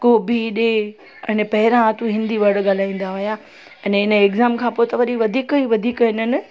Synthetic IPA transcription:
koːbʱiɗe | ɛ̃npɐɦɪɾãt̪ũɦɪ̃nd̪iʋɐɽɠaːl̤aːĩːn̆d̪aɦʊja | ɛ̃ːnɪnə̆ekzaːmkʰãːpoːt̪ɐʋɐɗiʋɐd̪ʱiːkiːʋɐd̪ʱiːkɦɪnənɪ̆

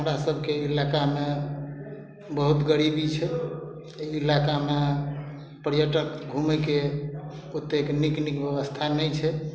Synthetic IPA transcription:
əmɾasəbʱkeilakame | bəɦut̪ɡəɾibit͡ʃʰɛ | ilakame | pəɾjəʈəkɡʱumɛke | ot̪ːekniknikbjeβəst̪ʰanɛjt͡ʃʰɛ

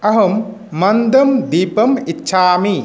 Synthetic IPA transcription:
ɐɦɐmː | ɐnd̪ɐmd̪iːpɐmitːʃʰaːmi

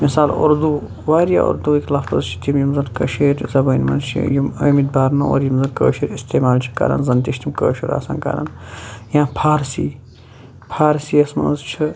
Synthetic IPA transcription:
misaːlṵɾd̪uː | ʋaːɾja̰ːʔṵɾd̪uːikʲlɐfɐzt͡ʃʰi̥t̪imjimzɐnkɐʃeːɾzɐbɐinmɐ̰nt͡ʃʰḭjumɐːmid̪baːɾnɐo̰ːɾjimzɐnkəːʃiːɾist̪eːmaːlt͡ʃʰi̥kɐ̰ɾɐ̰nzɐnt̪iʃt̪imkə̰ːʃuɾa̰ːsɐ̰nkɐ̰ɾɐ̰njãːpʰaːɾsiː | pʰaːɾsiːɐsmɐnzt͡ʃʰɨ

